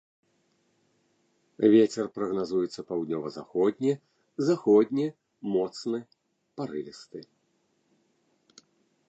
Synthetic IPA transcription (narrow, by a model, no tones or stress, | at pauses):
vʲet͡sʲɛrpɾɐɣnazujɛt̪sːɐpawd̪ʲnʲɔvɐza̰xɔd̪ʲnʲɛ | zaxɔd̪ʲnʲɛ | mɔt̪snɨ | paɾɨvʲist̪ɨ